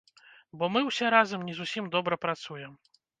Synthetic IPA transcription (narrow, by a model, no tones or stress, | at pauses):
bɔmɨwsʲɛɾazɐmnʲɛzusʲimd̪ɔbɾɐpɾat̪sujɛm